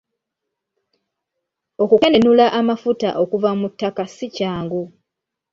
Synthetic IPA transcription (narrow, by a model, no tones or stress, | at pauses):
o̞kukenenulaʔamafuta̰ʔo̞kuvamutːakasicaːŋɡu